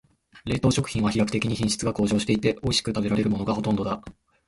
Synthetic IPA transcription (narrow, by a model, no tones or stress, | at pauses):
ɾe̞ːt̪oːɕo̞kɯ̟çʲĩɰ̃βaçijakɯ̥t̪e̞kʲiɲ̟içĩɰ̃ɕi̥t͡sɨɡako̞ːʑo̞ːɕi̥t̪e̞it̪e̞o̞iɕi̥kɯ̟t̪abe̞ɾaɾe̞ɾɯ̟mo̞no̞ɡaho̞t̪ond̪o̞d̪a